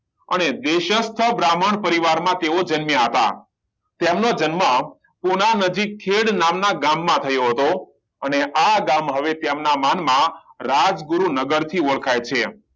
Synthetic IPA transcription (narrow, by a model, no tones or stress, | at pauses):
ə̰ned̪eʃəst̪ʰəbɾaməɳpəɾiʋaɾmãt̪eod͡ʒənmjəɦət̪a̰ | t̪emnod͡ʒənmə | punanəd͡ʒikʰːeɽnamnaɡamːãt̪ʰəjoɦət̪o | əneʔaɡamɦəʋet̪jemnamanmãɾad͡ʒɡuɾunəɡəɾt̪ʰioɭkʰajt͡ʃʰe